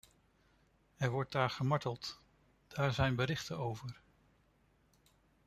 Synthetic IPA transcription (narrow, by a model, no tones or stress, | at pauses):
ɛɹʋɔɹt̚daːɹχəmɑɹtəlˠt | d̥aːɹzɛjnbəɾɪχtəowvəɹ